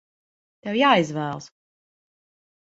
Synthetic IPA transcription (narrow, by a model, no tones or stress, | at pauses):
t̪ɛwjaːizvæːlˠs